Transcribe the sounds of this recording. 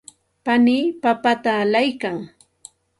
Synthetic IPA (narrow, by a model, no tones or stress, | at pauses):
paniːpapat̪aːlajkaŋ